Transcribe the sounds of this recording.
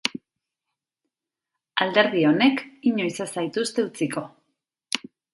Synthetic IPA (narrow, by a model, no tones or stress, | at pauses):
ald̪e̞ɾð̞io̞ne̞kiɲo̞jsasajt̪ust̪e̞ut͡siko̞